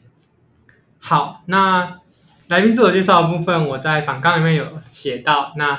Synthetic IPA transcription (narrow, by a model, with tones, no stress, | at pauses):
xɑ˨˩˦ʊna˥˨ | la˧ɪpi˥ŋt͡su˥˩jt͡ɕɛ˥˧ʂ̬ɑ˥˩ʊd̪ə˩p̬u˥˧fə˥˨nwɔ˨˩t͡sa˥˩ɪfɑ˨˩ŋkɑ˥˩ŋli˨˩mjɛ˥˩njo˨˩˦ʊɕjɛ˨˩t̪ɑ˥˨ʊna˥˧